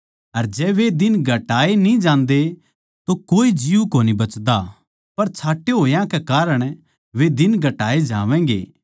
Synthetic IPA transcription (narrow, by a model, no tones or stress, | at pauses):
ɐɾd͡ʒɛːʋed̪ɪnɡʱɐʈaːenĩd͡ʒãːnd̪e | t̪okoːid͡ʒiukoːnibɐt͡ʃd̪a | pɐɾt͡ʃʰaːʈːeɦoːjãkekaːɾəɽ̃ | ʋed̪ɪnɡʱɐʈaːed͡ʒãːʋɛ̃ːɡḛː